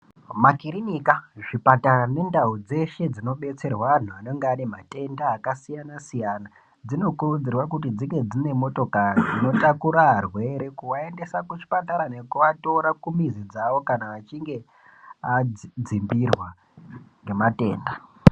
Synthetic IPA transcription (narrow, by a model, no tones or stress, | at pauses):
makiɾinikaʐipataane̞ndaud͡ze̞ʃe̞d͡zino̞ɓe̞t͡se̞rwaan̤uano̞ŋɡeanemate̞ndaːkasijanasijaːna | d͡zino̞kurud͡zirwakut̬id͡ziŋɡe̞d͡zine̞mo̞to̞kaiino̞takuɾarwe̞ɾe̞kuʋae̞nde̞sakut͡ʃi̥pataɾane̞kuʋato̞ɾakumizid͡zaʋo̞kanaʋat͡ʃiŋɡe̞ | ad͡zimbirwa | ŋɡe̞mate̞̰ːnda